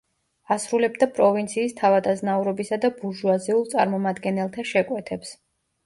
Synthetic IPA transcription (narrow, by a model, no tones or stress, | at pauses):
asɾulɛbd̪apʼɾɔvint̪sʰiːst̪ʰavad̪aznauɾɔbisad̪abuɾʒuaziulˠt̪sʼaɾmɔmad̪ɡɛnɛlˠt̪ʰaʃɛkʼwɛt̪ʰɛps